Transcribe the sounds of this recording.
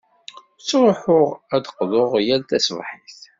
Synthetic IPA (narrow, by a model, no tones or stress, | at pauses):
t͡sːɾˤoħʊʁæd̪əqðoʁjælt̪æsvħiθ